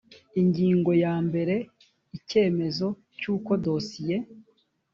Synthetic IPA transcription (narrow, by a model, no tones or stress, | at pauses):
iɲɟiːŋɡo̞jaːmbe̞ɾe̞ | ice̞ːme̞zo̞ | cuːko̞do̞ːsije̞